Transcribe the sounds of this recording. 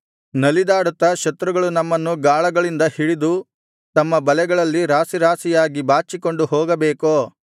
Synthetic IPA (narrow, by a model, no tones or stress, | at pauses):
nɐlid̪aːɽut̪ːɐʃɐt̪ɾuɡɐɭunɐmːɐnːuɡaːɭɐɡɐɭind̪ɐhiɭid̪u | t̪ɐmːɐbɐlɛɡɐɭɐlːiɾaːsiɾaːsijaːɡibaːt͡ʃːiko̞ɳɖuɦɔːɡɐbeːkoː